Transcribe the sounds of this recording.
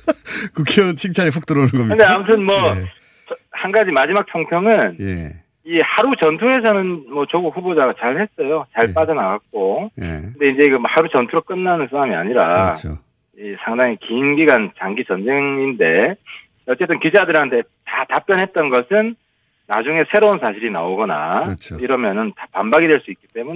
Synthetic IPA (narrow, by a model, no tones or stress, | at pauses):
kukʰjʌt͡ɕʰiŋt͡ɕʰaɾiɸuk̚t͈ɯɾonɯnɡʌmkɯndeamutʰɯnmwʌ | t͡ɕʌhanɡad͡ʑimad͡ʑimak̚t͡ɕʰʌŋpʰjʌŋɯne | ihaɾut͡ɕʌntʰuɦe̞sʰʌnɯnmʌt͡ɕoɡuk̚ɸubod͡ʑaɡat͡ɕaɭhe̞s͈ʌjot͡ɕaɭp͈ad͡ʑʌnaɡak̚k͈̚oj̰kkɯnde̞ind͡ʑe̞ɡɯmhaɾut͡ɕʌntʰuɾok͈ɯnːanɯnsʰaɾamia̰ɲiɾa̰o̰ | isʰaŋdaŋikiinɡiɡant͡ɕaŋɡit͡ɕʌnd͡ʑe̞ŋinde̞ | ʌt͡ɕ͈e̞t͈ɯnkid͡ʑadɯɾhantʰe | tatap͈jʌnɦe̞t̚t͈ʌnɡʌsʰɯnː | a̰d͡ʑuŋe̞sʰe̞ɾounsʰaɕʰiɾina̰oɡʌna̰t͡ɕiɾʌmjʌnɯntḁpambaɡidwe̞ɭs͈uit̚k͈i̥t͈e̞mu